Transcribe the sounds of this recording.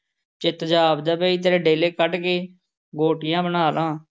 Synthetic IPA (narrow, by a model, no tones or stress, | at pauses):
t͡ʃɪt̪d͡ʒaːbd̪aːbeːiːt̪̬eɾeːɖeːleːkəʈkeː | ɡoːʈɪjãːbənaːlãː